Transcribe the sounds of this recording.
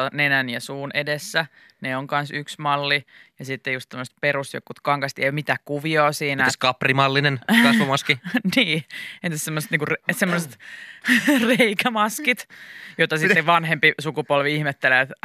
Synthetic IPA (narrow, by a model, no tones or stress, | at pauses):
ɑnenænjɑsuːnʔedesːæ | neoŋkɑnsyksmɑlːijɑsit̪ːejust̪omːəst̪peɾust̪jo̰kːut̪kɑŋkɑst̪iḛmit̪ækkuʋioːsiːnæt̪ːæskɑprimɑlːinenkɑsʋomɑskiniːent̪ːæssemːoset̪niŋkuresemːoset̪ | reikæmɑskit̪jot̪ɑsit̪ːeʋɑnhempisukupolʋiihmet̪ːelæt̪